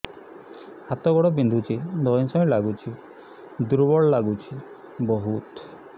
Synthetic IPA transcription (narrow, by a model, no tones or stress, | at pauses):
hat̪ɔɡɔɽɔbind̪ʱut͡ʃʰid̪ɔj̃sɔj̃laɡut͡ʃʰi | d̪uɾbɔɭɔlaɡut͡ʃʰi | bɔɦut̪